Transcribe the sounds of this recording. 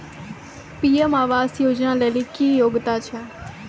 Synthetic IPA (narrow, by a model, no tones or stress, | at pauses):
piːemaːʋaːzjoːd͡ʒnãːleːlikiːjoːɡt̪aːt͡ʃʰə̃ː